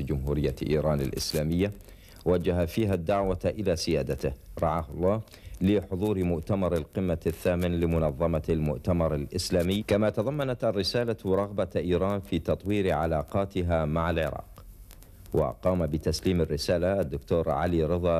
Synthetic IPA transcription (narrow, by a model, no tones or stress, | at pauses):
d͡ʒʊmɦuːɾɪjːaʔḭːɾɑːnɪ̰lʔɪ̰slaːmɪjːa | wad͡ʒːaɦafiːɦad̪ːaʕwaʔɪlasɪjaːd̪at̪ɪhɾˤɑʕaːhʊlˤːɑː | lɪħʊðˤuːɾmʊʔt̪amɑɾˤɪlqɪmːaθːaːmɪnlɪmʊnɑðˤːɑmalmʊʔt̪amɑɾˤɪlʔɪslaːmɪjːkamat̪ɑðˤɑmːanat̪ʔarːɪsaːlaɾˤɑɣbaʔiːɾˤɑːnfiːt̪ɑt̪ˤwiːɾʕalaːqɑːt̪ɪɦamaʕalʕɪ̰ɾˤɑ̰ːq | wa̰qɑːmabɪt̪asliːmɪrːɪsaːlaʔad̪ːʊkt̪oːɾʕa̰liɾɨðˤɑ